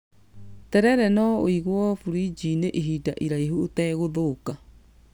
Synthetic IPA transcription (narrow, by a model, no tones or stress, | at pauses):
tɛɾɛɾɛnɔoiɣwɔfuɾid͡ʒineʔeɦidaʔiɾaiɦuotɛɣoðoːka